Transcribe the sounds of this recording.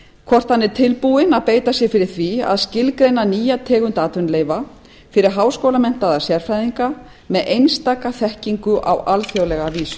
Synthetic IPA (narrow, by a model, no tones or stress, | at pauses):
kʰvɔr̥t̪hanːɪɾ̥t̪ʰɪlpuɪnaðpeːjt̪asjɛfɪɾɪɾ̥θvia̰ðscɪlkɾejnaniːjat̪ʰɛːɣʏnt̪aːt̪ʏnleːjva | fɪɾɪɾ̥ɦaːwskoːwlamɛn̥t̪aðḁsjɛɾ̥fɾajðiŋka | mɛðejnst̪aːkaθɛhciŋkʏʔa̰walfjowlɛɣaviːsʏ̥